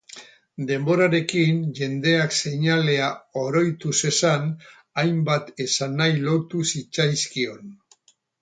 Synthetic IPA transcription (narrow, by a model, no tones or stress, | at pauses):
d̪e̞mbo̞ɾaɾe̞kinʝe̞nd̪e̞akse̞ɲale̞ao̞ɾo̞jt̪use̞san | ajmbat̪e̞sanːajlo̞t̪usit͡sajskio̞n